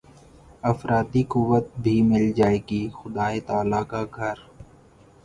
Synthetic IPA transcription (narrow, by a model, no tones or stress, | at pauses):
ɐfɾaːt̪ikʊʋət̪̚bʱimɪld͡ʒaːeːɡixʊd̪aːet̪aːlakaɡʱɐɾ